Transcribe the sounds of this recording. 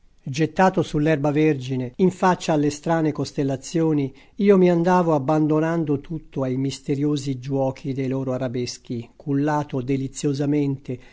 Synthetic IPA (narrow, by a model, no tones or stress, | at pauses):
d͡ʒet̪ːaːt̪osulːɛrbaverd͡ʒineiɱfat͡ʃːaːlːest̪ɾaːnekost̪elːat̪sːjoːni | iːomiand̪aːvoabːand̪onand̪ot̪ut̪ːoajmist̪eɾjoːzid͡ʒwɔːkʰid̪ejloːɾoaɾabesk̟ikʰulːaːt̪od̪elit̪sːjozament̪e